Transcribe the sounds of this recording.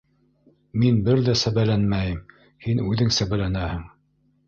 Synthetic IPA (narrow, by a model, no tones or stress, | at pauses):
minbɘɾðæsæβælænmæjɘm | hinʉðɘŋsæβælænæhɘŋ